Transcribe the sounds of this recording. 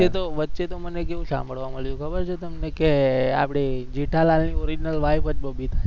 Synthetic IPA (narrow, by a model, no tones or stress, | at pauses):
et̪oʋətːʃet̪omənekeʋũsã̰mbʱəɭʋaməɭjũkʰəbəɾt͡ʃʰet̪əmnekea̰pɽ̃ed͡ʒiʈʰalalnioɾid͡ʒinəlʋaifəd͡ʒbəbʱit̪ʰa